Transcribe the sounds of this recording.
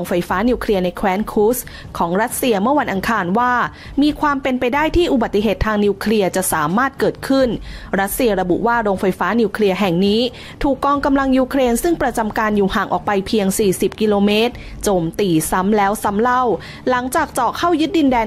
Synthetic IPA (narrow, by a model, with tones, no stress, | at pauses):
ŋfa˧jfaː˦˥niː˧wkʰli˧əɐna˧jkʰwɛː˦˥nkʰuː˦˥s | kʰɔː˩˦ŋɾa˦˥t̪̚si˧ɐmɯ˥˩ɐwa˧nʔa˧ŋkʰaː˧nwaː˥˩ | miː˧kʰwaː˧mpe˧npa˧jdaː˥˩jt̪ʰiː˥˩ʔu˨˩ba˨˩t̪ːi˧˩ɦeː˨˩t̪ʰːaː˧ŋni˧wkʰli˧ɐt͡ɕa˨˩ʔsaː˩˦maː˥˩t̪̚kɤː˨˩t̪̚kʰɯ˥˩nɾa˦˥t̪̚si˧ɐɾa˧bṵ˨˩ʔwaː˥˩ɾoː˧ŋfa˧jfaː˦˥ni˧wkʰli˧ɐɦɛ˨˩ŋniː˦˥ | t̪ʰuː˨˩kːɔː˧ŋka˧mla˧ŋjuː˧kʰɾeː˧nsɯ˥˩ŋpɾa˧t͡ɕa˧mkaː˧njuː˨˩haː˨˩ŋʔɔ̰ː˨˩k̚pa˧jpʰi˧əŋsiː˨˩si˨˩p̚ki˧loː˧meː˦˥t̪̚ | t͡ɕoː˧mt̪iː˧sa˦˥mlɛː˦˥wsa˦˥mla˥˩w | la˩˦ŋt͡ɕaː˨˩k̚t͡ɕɔː˨˩kʰa˥˩wjɯ˦˥t̪̚di˧ndɛː˧